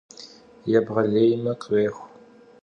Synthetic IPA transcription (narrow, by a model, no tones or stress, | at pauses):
jɛbʁɐɮejmɐqʼreːxʷ